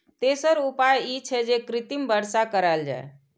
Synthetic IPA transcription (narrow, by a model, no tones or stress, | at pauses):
t̪esəɾupajit͡ʃʰɛd͡ʒekɾit̪imbəɾsakəɾald͡ʒa̰e